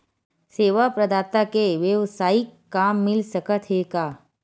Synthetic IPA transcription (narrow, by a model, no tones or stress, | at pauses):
seːʋapɾɐd̪aːt̪akeʋjəʋsaːikːaːmːɪlsəkət̪ʰɦeːkaː